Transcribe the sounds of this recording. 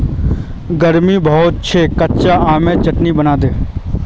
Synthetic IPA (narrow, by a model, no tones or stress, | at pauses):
ɡəɾmibəɦʊt̪̚t͡ʃʰeːkətt͡ʃaaːmẽt͡ʃəʈnibənaːd̪eː